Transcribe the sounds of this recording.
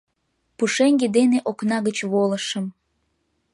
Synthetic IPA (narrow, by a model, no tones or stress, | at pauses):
puʃeŋɡed̪eneʔoknɑɣət͡ɕβoləʃəm